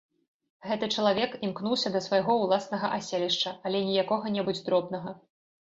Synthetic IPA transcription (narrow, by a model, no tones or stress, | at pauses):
ɣɛt̪ɨt͡ʂɐlˠavʲɛkimknuwsʲɐd̪ɐsvajɣɔwlˠasnɐɣɐʔasʲelʲiʂt͡ʂɐalʲɛnʲijakɔɣɐnʲɛbud͡zʲd̪ɾɔbnɐɣɐ